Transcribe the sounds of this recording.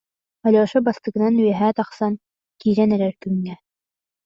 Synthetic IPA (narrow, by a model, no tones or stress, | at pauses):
ɔlʲɔːʃɔbast̪ɯ̆ɡɯnanyjɛɦɛːt̪ɑχsan | kiːɾɛnɛɾɛɾkyŋːɛ